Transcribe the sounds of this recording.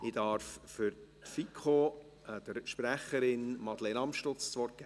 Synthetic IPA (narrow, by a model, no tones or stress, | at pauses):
ɪd̥ɑɾffʏɾtfikʰχo | d̥əɾʃpɾæχəɾɪnmɑd̥lenɑmʃtʊt͡st͡sʋɔɾk̚ɡ̥ɛ